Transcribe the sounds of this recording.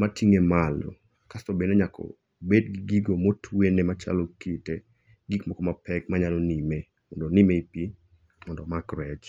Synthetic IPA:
matiŋemalo̰ | kastobeneɲakʰɔ̰ | bedɡiɡiɡomotʰwenemat͡ʃa̰lokite | ɡikmɔkɔmapɛk̚maɲalonime | mɔndonimeipi | mɔndɔmakɾɛt͡ʃ

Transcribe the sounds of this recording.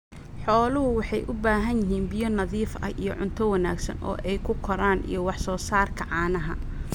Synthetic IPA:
ħɔːlʊɦʊwɑħɑjʔʊbaːɦɐnjɪɦiːnbɪjɔnɐðiːfɐ̰ʔijɔʕʊ̰nt̪ʰɔwɑnaːɡsɐ̰nʔɔ̰ːʔɛjkʰʊkʰɔɾaːnʔḭjɞwɑħsɔːsaːrkʰɐʕɑːnɐɦɐ̰

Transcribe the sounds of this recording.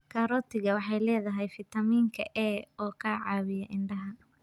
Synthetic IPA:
kʰaːɾɔːt̪ʰɪɣɐwɑħɑjlɛːðɐɦɛjfɪt̪ʰɐmiːŋkʰɐʔɛːɔːkʰaːʕɑːβɪjɐʔɪnɖɐɦɐ

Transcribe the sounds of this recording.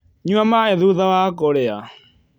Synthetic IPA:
ɲuamaɛðuðawakɔɾɛa

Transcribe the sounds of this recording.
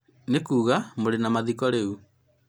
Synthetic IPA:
nekuːɣamoɾenamaðikɔɾeu

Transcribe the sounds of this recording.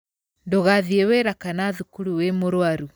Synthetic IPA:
ndoɣaðiɛweɾakanaðukuɾuwemoɾoaɾu

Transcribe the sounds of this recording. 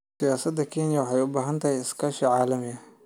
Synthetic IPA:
sɪjaːsɐd̪ɐkʰɛːnɪjɐwɑħɑjʊbaːɦɐnt̪ʰɐhɛjɪskʰaːʃɐʕaːlɐmɪɐ

